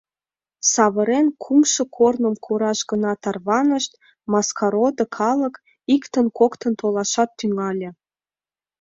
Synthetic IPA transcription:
sɑβə̆ɾenkʰumʃɤ̆kʰornə̆mkʰoɾɑʃɣənɑt̪ɑrβɑnəʃt̪̚ | mɑskʰɑɾod̪ɤ̆kʰɑlək | ikt̪ənkokt̪ə̆nt̪olɑʃɑt̪ːyŋɑlʲĕ

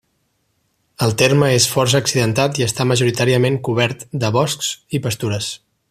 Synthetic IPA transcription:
əlˠt̪erməesfɔrs̬əːksiðənt̪at̪iəst̪aməʒuɾit̪aɾiəmeŋkuβ̞ɛɾt̪d̪əβɔsksipəst̪uɾəs

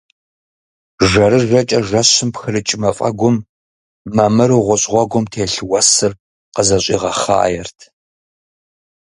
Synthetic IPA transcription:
ʒɐɾɨʒɐt͡ʃʼɐʒɐɕɨmpxɨrɨt͡ʃʼɪmɐfʼɐ̰ɡʷʊm | mːaːmɐɾuʁʷɔɕʼʁʷɔɡʷʊmtʰeːɬɨwɐsɨr | qəzɐɕʷʼḭːʁɐχa̰ːjɛrtʰ

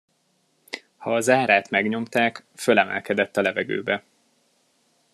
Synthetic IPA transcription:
hɒːzaːɾaːt̪mɛɡɲo̞mt̪aːkfølɛmɛ̰lkɛd̪ɛt̪ːɒlɛvɛɡø̰ːbɛ

